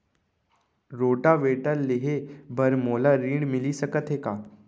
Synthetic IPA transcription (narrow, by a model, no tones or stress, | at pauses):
ɾoːʈaʋeːʈəlːeɦebʱɐɾmoːlaɾĩːɖmɪlisɐkət̪ɦeːkaː